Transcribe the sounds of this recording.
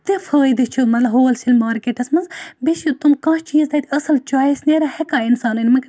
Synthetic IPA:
t̪efʰəːjd̪it͡ʃʰumɐt̪lɐbɦoːlsilʲmaːɾkeːʈɐsmɐnzbisut̪umkãːʃt͡ʃiːzd̪ɐt̪iɐsɐlt͡ʃaːjisneːɾahekaːinsaːnɨnʲmɐk

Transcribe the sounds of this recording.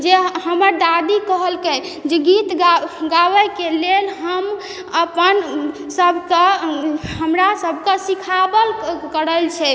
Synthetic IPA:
d͡ʒehəməɾd̪ad̪ikəɦəlkə̃ | d͡ʒeɡit̪ɡaɡawəjkelelɦəm | əpən | səbʱke | ɦəmɾasəbʱkəsikʰabəlkəɾəlt͡ʃʰɛ

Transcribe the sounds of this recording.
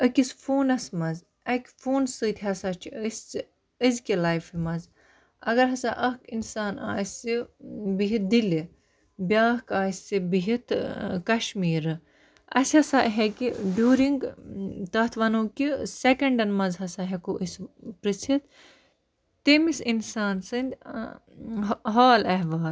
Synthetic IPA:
əkʲisfoːnɐsmɐz | ɐkʲfoːnsɨt̪ʰɦɐsat͡ʃʰiəst͡s | əzkʲilajfimɐz | ɐɡɐɾɦɐsaʔɐkinsaːna̰ːsibiɦit̪̚d̪ili | bʲjaːɦkaːsibiɦit̪ʰkɐʃmiːɾɨ | ɐ̰sɦɐsaːʔɦekiɖjuːɾiŋɡt̪ɐt̪ʰʋɐnoːkisekɐɳɖɐnmɐnzɦɐsaɦekoʔispɾɨt͡sʰit̪ | t̪imisinsaːnsɨnd̪ʲ | ɦaːlɐɦʋaːl

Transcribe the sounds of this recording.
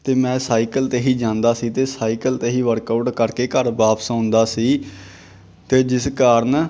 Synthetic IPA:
t̪eːmɛ̃ːsaːiːkəlt̪eːɦiːd͡ʒãːnd̪aːsiːt̪eːsaːiːkəlt̪eːɦiːʋəɾkəʊʈkəɾkeːkəɾbaːpə̥sãːnd̪aːsiː | t̪eːd͡ʒɪskaːɾən

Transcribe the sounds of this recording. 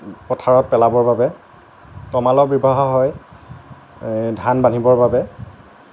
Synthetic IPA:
pɹɔtʰaɹɔt̚pɛlabɔɹbabɛ | tɔmalɔbibʱaɦɔɦɔj | dʱanbanibɔɹbabɛ

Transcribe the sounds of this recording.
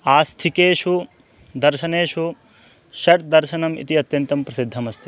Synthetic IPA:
aːst̪ʰikeːʃu | d̪ɐɾʃɐneːʃu | ʃɐʈd̪ɐɾʃɐnɐmḭt̪iɐt̪jɐnt̪ɐmpɾɐsid̪ʱːɐmɐst̪ʰi

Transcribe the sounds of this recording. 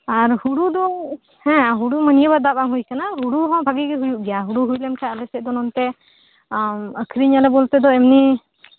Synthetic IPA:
aɾhuɽud̪ɔ | hɛ̃ɦuɽumənijəbad̪abaŋɦujkanaɦuɽuɦɔ̃bʱaɡiɡɛɦujuʔɡɛjaɦuɽuɦujlɛmkʰaʔalɛsɛd̪ɔnɔnt̪ɛ | əkʰɾiɲalɛbɔlt̪ɛd̪ɔɛmni

